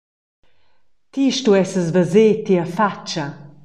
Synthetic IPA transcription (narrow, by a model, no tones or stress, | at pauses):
t̪iʃtuɛsəzvəzeːt̪iəfat͡ʃɐ